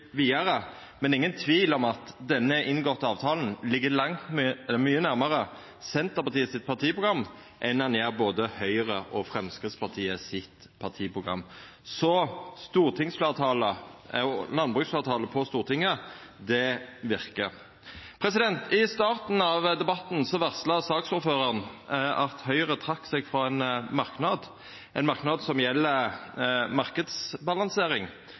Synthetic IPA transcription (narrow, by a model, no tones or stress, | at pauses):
ʋiːɑɾə | mɛnɪŋːənt̪ʰʋiːlɔmɑt̪d̪ɛnːəɪnɡɔt̪ːəɑːʋt̪ʰɑːln̩lɪɡːəlɑŋt̪mmyːənæʁməʁə | sɛnt̪əpɑt̪iːəsɪt̪̚pʰɑʁt̪ʰiːəpʰʁʊɡʁɑmː | ʔɛnɑnjæːʁboːd̪əhœʏəʁəʔɔfʁɛmskʁɪt̪spɑʁt̪ʰiːəsɪt̪ | pʰɑʁt̪ʰiːpʁʊɡʁɑ̰mː | sɔst̪uːʁt̪ʰɪŋsfleːt̪ʰɑːlə | lɑnbʁʉːksfleːʁt̪ʰɑːləpʰɔst̪uːʁt̪ʰɪŋːəd̪ɛʋɪʁkə | pʰɾɛsɪd̪ɛnt̪ɪst̪ɑːʁt̪n̩ɑʋd̪ɛbɑt̪n̩sɔʋæʁslɑsɑːksʊɾføːʁəʁənɑt̪hœʏəʁət̪ʰʁɑkːsɛɡfɾɔɛnmɑʁknɑːd̪ | ɛɪnmɑʁknɑːd̪sɔmjɛlːə | mɑʁkəd̪sbɑlɑnseːɾɪŋ